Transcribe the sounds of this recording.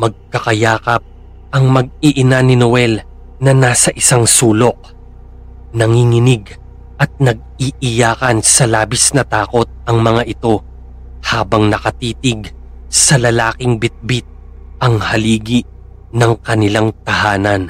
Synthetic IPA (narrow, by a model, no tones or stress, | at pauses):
mɐɡ̚kɐkɐjaːkɐp̚ | ʔɐŋmɐɡ̚iʔɪnanɪnowɛl | nɐnaːsɐʔɪsaŋsuːlo̞k̚ | nɐŋiŋɪnɪɡ | ʔɐt̪̚nɐɡ̚iʔɪjaːkɐnsɐlaːbisnɐt̪aːko̞t̪̚ɐŋmɐŋaʔɪt̪o̞ | haːbɐŋnɐkɐt̪iːt̪ɪɡ | sɐlɐlaːkɪŋbɪt̪̚bit̪̚ | ʔɐŋhɐliːɡiʔ | nɐŋkɐnɪlaŋt̪ɐhaːnɐn